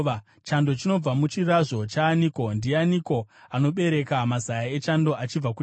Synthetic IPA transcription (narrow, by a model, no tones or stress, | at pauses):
t͡ʃando̞t͡ʃino̞b͡vamut͡ʃiraʐo̞t͡ʃaːniko̞ndianiko̞ano̞ɓe̞ɾe̞kamazajae̞t͡ʃando̞ʔat͡ʃib͡vaku